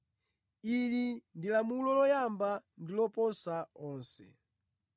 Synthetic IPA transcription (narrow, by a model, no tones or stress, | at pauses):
ilindilamulɔlɔjambandilɔpɔnsaɔːnsɛ̰